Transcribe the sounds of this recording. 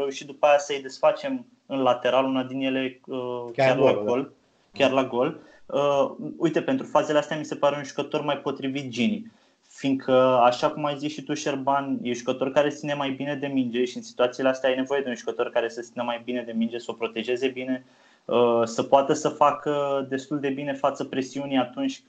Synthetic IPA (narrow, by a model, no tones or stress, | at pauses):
ɾe̞uʃit̪̚d̪upajasəjd̪e̞sfat͡ʃe̞m | ɨnlat̪e̞ɾalunad̪inje̞le̞əjarlaɡol | kʲarlaɡo̞l | əujt̪e̞pe̞nt̪ɾufaze̞least̪ʲamise̞paɾe̞unʒukət̪ormajpo̞t̪ɾivit̪̚d͡ʒini | fiŋkʰəaʃakumajziʃit̪uʃe̞rbanjeʒukət̪o̞rkaɾe̞st̪sinemajbine̞d̪e̞mind͡ʒeʃiɨnsi̥t̪uat̪sileast̪eajne̞vo̞je̞d̪e̞unʒukət̪o̞rkaɾe̞sət̪inemajbine̞d̪e̞mind͡ʒe̞səo̞pɾo̞t̪e̞ʒe̞ze̞bine̞ | əsəpoat̪əsəfakəd̪e̞st̪uld̪e̞bine̞fat̪səpɾe̞siuniat̪unt͡ʃʲ